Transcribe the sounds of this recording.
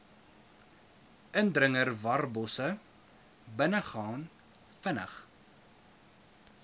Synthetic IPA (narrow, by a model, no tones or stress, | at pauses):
əndrəŋərvɐrbɔsə | bənəχɑːn | fənə̰χ